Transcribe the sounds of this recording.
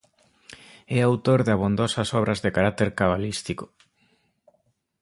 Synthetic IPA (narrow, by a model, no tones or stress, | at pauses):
ɛawt̪oɾðaβond̪ɔsɐsɔβɾʔɐzðekaɾak̚t̪eɾkaβ̞alist̪iko̥